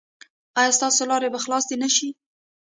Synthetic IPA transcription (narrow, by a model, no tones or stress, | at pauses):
ɑjɑst̪ɑsolɑɾebaxlɑsd̪enaʃi